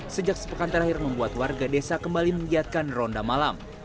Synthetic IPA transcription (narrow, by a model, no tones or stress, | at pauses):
səd͡ʒak̚sə̥pəkant̪əɾahɪrməmbuat̪warɡadesakəmbaliməŋiat̪̚kanrɔndamalam